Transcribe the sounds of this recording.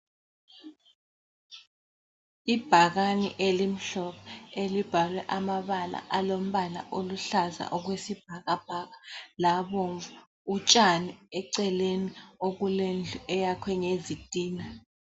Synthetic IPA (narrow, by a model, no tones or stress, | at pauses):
ib̥ʱaɣ̬anḭʔelim̩ɬɔɓɔelib̥ʱalwɛʔamaβala̰ʔalom̩ɓala̰ʔoluɬaza̰ʔɔk̬wesib̥ʱaɣab̥ʱaɣalaɓoɱvu | ut͡ʃʼaniɛǀɛleniok̬ulend͡ɮʱuɛjakʰwɛŋezid̥ʱiːna